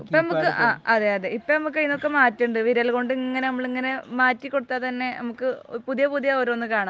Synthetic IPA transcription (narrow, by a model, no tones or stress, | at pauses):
ipːɐnɐmukːɨaːɐðeːɐðeipːɐnɐmukːkɐjinːokːe̞maːtːuɳɖɨʋiɾɐlko̞ɳɖɨŋːɐne̞nɐmːɐɭiŋːɐne̞maːtːikːo̞ɽut̪ːat̪ɐnːe̞nɐmukːɨpuðijɐpuðijɐoɾonːɨkaːɳa